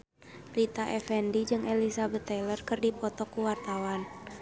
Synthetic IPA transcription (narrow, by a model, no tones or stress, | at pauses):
lit̪aʔɛfɛndid͡ʒɨŋʔɛlisabɛt̪ɛlərkɨrdipɔt̪ɔkuwart̪awan